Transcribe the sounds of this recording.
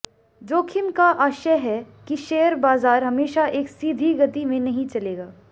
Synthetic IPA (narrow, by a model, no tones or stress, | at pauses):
d͡ʒoːkʰɪmkaʔaːʃəɦɛ | kiʃeːəɾbaːzaːɾɦɐmeːʃaʔeːksiːd̪ʱiɡɐt̪imẽnɐɦĩt͡ʃɐleːɡaː